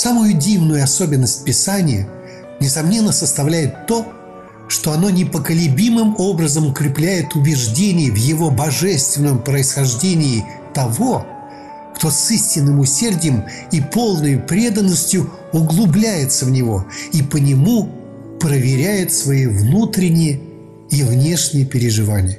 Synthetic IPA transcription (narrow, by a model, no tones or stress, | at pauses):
samʊjʊdʲivnʊjʊɐso̞bʲɪnːəsʲt̚ʲpʲɪsanʲɪjə | nʲɪsɐmnʲe̞nːəsəst̪ɐvlʲæjɪt̪ːo̞ | ʂt̪o̞ɐno̞nʲɪpəkəlʲɪbʲimɨmo̞bɾəzəmʊkɾʲɪplʲæjɪt̪ʊbʲɪʐdʲenʲɪjɪvjɪvo̞bɐʐɛst̪vʲɪnːəmpɾəɪsxɐʐdʲenʲɪː | t̪ɐvo̞ | kt̪o̞sisʲtʲɪnːɨmʊsʲerdʲɪjəm | ipo̞lˠnəjʊpɾʲe̞d̪ənːəsʲtʲjʊ | ʊɡlˠʊblʲæjɪt̪səvnʲɪvo̞̰ipənʲɪmu | pɾəvʲɪɾʲæjɪt̪svɐivnut̪ɾʲɪnʲːɪjə | ivnʲe̞ʂnʲɪjəpʲɪɾʲɪʐɨvanʲɪjə